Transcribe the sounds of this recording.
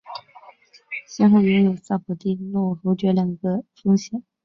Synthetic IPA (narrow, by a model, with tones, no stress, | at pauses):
ɕjɛ˥nxo˥˩jʊ˧˥ŋjo˨˩ʊsa˥˩pʰu˨˩t̪i˥˧nwɔ˥˩fu˧˥t͡ɕɥɛ˧˥lja˨˩ŋɡə˧fʊ˥ŋɕjɛ˨˩n